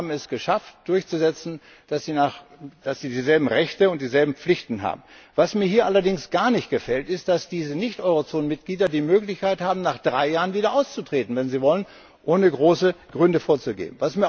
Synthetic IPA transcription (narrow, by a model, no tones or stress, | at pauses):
bm̩ɛsɡ̥əʃaftd̥ʊɐçt͡suzɛt͡sn̩ | d̥asiːnaχd̥asz̥iːdiːzɛlbm̩ʁɛçtəʊnt̚d̥iːzɛlbm̩p͡flɪçtn̩ɦa̰ːbm̩vasmiːɐɦiːɐʔalɐdɪŋsɡ̥aːɐnɪçt̚ɡ̥əfɛltɪst̚d̥asd̥iːzənɪçtʔɔʏʁot͡soːnənmɪt̚ɡ̥liːdɐdiːmøːklɪçkaɪthaːbm̩naːχd̥ʁaɪjaːʁənviːdɐʔaʊst͡sutʁ̥eːtn̩vɛnziːvɔlən | ʔoːnəɡʁoːsəɡ̥ʁʏndəfoːɐt͡suɡḛːbmn̩vasmiːɐ